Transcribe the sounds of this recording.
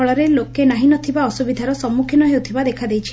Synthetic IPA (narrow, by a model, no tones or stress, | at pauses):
ɔɭɔɾelokenaɦinɔt̪ʰibaɔsubid̪ʱaɾɔsɔmːukʰinɔɦewt̪ʰibad̪ekʰad̪ejt͡ʃʰi